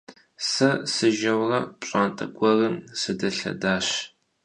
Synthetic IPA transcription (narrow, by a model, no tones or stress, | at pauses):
sɐsɨʒɐwrɐpʷʼɕʼaːntʼɐɡʷɔrɨmsɨdɐɬɐ̰daːɕ